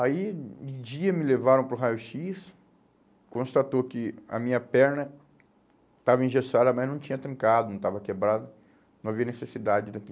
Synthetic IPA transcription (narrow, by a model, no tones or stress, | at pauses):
aiɪd͡ʒiɐmɪlevaɾɐ̃w̃pɾʊɦajʊʃis | kõst̪at̪okɪɐ̰mĩɲɐpɛɾnɐ | t̪avɐĩʒesad̪ɐmɐznɐ̃w̃t͡ʃĩɲɐt̪ɾĩŋkad̪ʊnɐ̃w̃t̪avɐkebɾad̪ɐ | nɐ̃w̃aviɐnesesid̪ad͡ʒɪd̪aki